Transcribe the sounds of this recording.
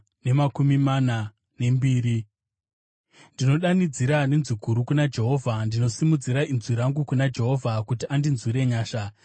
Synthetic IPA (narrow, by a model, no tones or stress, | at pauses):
ne̞makumimana | ne̞mbiːɾi | ndino̞ɗanid͡ziɾanenziɡʱuɾukunad͡ʒe̞ɦo̞ːvʱandino̞simud͡ziɾaʔinzwiɾaŋɡukunad͡ʒe̞ɦo̞vʱakutiʔandinzwiɾe̞ɲaːʃa